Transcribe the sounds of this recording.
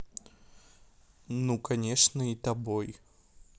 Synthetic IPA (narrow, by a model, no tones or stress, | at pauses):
nukɐnʲeʂnəit̪ɐboj